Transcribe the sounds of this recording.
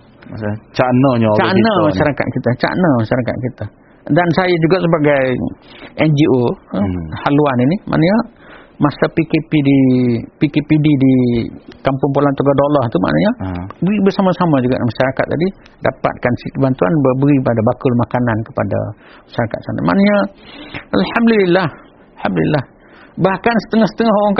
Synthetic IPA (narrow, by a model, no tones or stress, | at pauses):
t͡ʃanəɲət͡ʃanəmaʃaɾaka̰t̪̚kit̪at͡ʃa̰ʔnəmaʃaɾaka̰t̪̚kit̪a | dansajad͡ʒuɡaʔsəbaɡajʔɛnd͡ʒio | haluaninima̰ʔnəɲəmasapikepidipikepididikampʊŋpulant̪uɡadolɔht̪uma̰ʔnaɲabəɾibəsamasamad͡ʒuɡaʔmaʃaɾakat̪ːa̰di | da̰pa̰t̪̚kansiəbant̪ua̰nbəbəɾibadabakʊlmakanankə̥pa̰da̰maʃaɾakat̪̚sa̰na̰ma̰ʔnəɲa | ʔalhamdulilːah | lhamdulilːah | bahkansə̥t̪əŋɔhsət̪əŋɔɦoɾaŋk